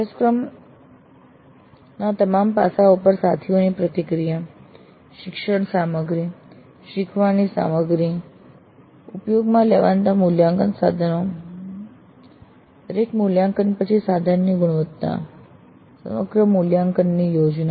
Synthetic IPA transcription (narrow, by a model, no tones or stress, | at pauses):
əskɾəm | nat̪əmampa̰saupəɾsat̪ʰiʋəñipɾət̪ikɾija | ɕikʂəɳsaməɡɾi | ɕikʰʋanisa̰məɡɾi | upjoɡmaleʋãnt̪amuljaŋkənsa̰d̪ʱəno | ɾeʈmuljãŋkənpət͡ʃʰisad̪ʱanːiɡuɽ̃ʋət̪t̪a̰ | sə̰məɡɾəmuljaŋkənːiːjod͡ʑna